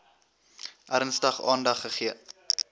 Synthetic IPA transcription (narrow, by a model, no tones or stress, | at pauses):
ʔæɾnstɐχɑ̰ːndɐχːəχiə